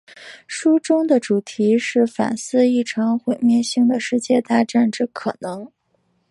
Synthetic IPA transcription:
ʂu˥ʈ͡ʂʊ˥ŋd̪ə˨ʈ͡ʂu˨˩t̪ʰi˧˥ʂɻ̩˥˩fa̰˨˩nsɹ̩˥˧i˥˩ʈ͡ʂʰɤ˧˥ŋxwe˧˨˩ɪmjɛ˥˧nɕi˥˩ŋd̪ə˩ʂɻ̩˥˧t͡ɕjɛ˥˧t̪a˥˧ʈ͡ʂa˥˧nʈ͡ʂɤ˥˩kʰɤ˨˩nɤ˧˥ŋ

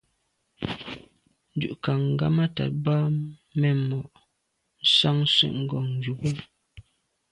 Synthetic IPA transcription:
n̩˦dʉ̰˨ʔka˨ŋ̩˨ɡa̰˦ma˦ta̰˨t̚ba˦mɛ˦˨mɔ˨ʔ | n̩˦sa˦ŋ̩˦sɛ̰˦˨ʔŋ̩˦ɡɔ˨ŋŋ̩˨d͡ʒu˨bu˦

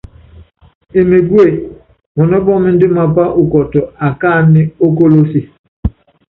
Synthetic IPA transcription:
e˨mi˨ɡwe˦˨ | mɔ˨nɔ˦bɔ˦mi˦n̩˦dɪ˦ma˨pa˦ʔu˨kɔ˨tɔ˨a˨ka˦˨ni˦o˦ko˦lo˦si˨

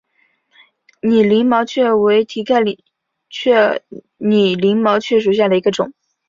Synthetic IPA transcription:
ni˨˩li˧˥ŋmɑ˧˥ʊt͡ɕʰɥɛ˥˩we˧˥ɪt̪ʰi˧˥kʰa˥˩ɪl | t͡ɕʰɥɛ˥˧ | ni˨˩li˧˥ŋmɑ˧˥ʊt͡ɕʰɥɛ˥˩ʂ̬u˨˩ɕ̬ja˥˩lə˩i˧˥ɡə˧ʈ͡ʂʊ˨˩˦

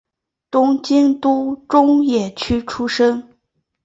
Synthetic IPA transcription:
t̪ʊ˥ŋt͡ɕi˥ŋt̪u˥ʈ͡ʂʊ˥ŋjɛ˨˩t͡ɕʰy˥ʈ͡ʂʰu˥ʂɤ˥ŋ

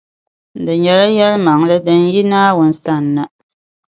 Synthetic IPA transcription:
dɨ˨ɲɛ˨la˦jɛ˦lma˨ŋlɨ˦dɨ˦n˦ji˦naː˦wʊ˨n̩˦sa˦˨nːa˦

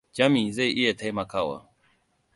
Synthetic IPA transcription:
d͡ʒa˦mĩ˨ze˦i˨ʔi˦e˨t̪ʰa˦jma˨kʰa˦˨wa̰˨

